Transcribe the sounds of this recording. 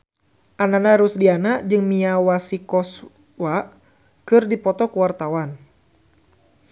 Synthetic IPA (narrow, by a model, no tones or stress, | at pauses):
ʔananaɾʊsdianaʔd͡ʒɨŋmiawasikɔs | wa | kɨrdipɔt̪ɔkuwart̪awan